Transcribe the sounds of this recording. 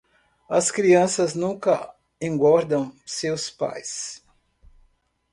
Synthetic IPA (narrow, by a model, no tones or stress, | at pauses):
ɐskɾiɐ̃sɐznũkɐ | ẽŋɡɔɾd̪ɐ̃w̃sewspa̰js